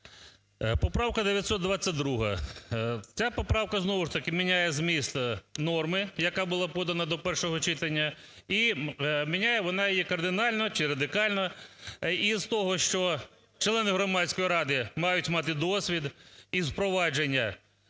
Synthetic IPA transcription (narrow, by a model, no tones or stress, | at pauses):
pɔpɾɑwkɐd̪eʋʲjɐt̪sɔt̪d̪ʋɑt͡sʲːɐt̪̚ʲd̪ɾuɦɐ̰ | t͡sʲapɔpɾɑwkɐznɔʋʊʂt̪ɐkɪmʲinʲajɛzmʲist̪nɔrmɪjɐkɑbʊlˠɑpɔd̪ɐnɐd̪ɔpɛrʃɔɦɔt͡ʃɪt̪ɐnʲːɐ | imʲinʲajɛʋɔnɑjjɛkɐrd̪ɪnɑlʲnɔt͡ʃɪɾɐd̪ɪkɑlʲnɔ | izt̪ɔɦɔʃt͡ʃɔ | t͡ʃlˠɛnɪɦɾɔmɑt͡sʲkɔjiɾɑd̪ɪmɑjʊtʲmɑt̪ɪd̪ɔsʲʋʲid̪izpɾɔʋɑd͡ʒenʲːɐ